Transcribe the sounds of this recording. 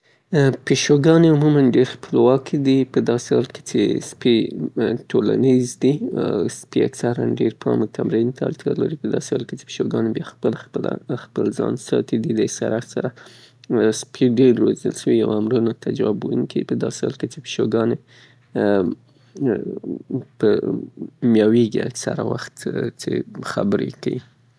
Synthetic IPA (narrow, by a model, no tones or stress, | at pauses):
piʃoɡɑneumumanɖeɾxpəlwɑkʰd̪ipəd̪ɑsehɑlke̥t͡ʃḛspiʈʰolanizd̪ispia̰ksaɾanɖeɾpʰɑmok̪ʰamɾint̪ʰalt̪ʰalaɾipəd̪ɑsehɑlket͡ʃe̥pi̥ʃoɡɑnebjɑxpəlxpəla̰xpəlzɑ̰nsɑt̪id̪id̪əsaɾasaɾa | spʰiɖeɾːozəlʃəwijawamɾunat̪ad͡ʒɑbunkiipəd̪ɑsehɑlket͡ʃepə̥ʃoɡɑne | pə | mjɑweɡiaksaɾawaxt̪t͡ʃexabəɾḛkawi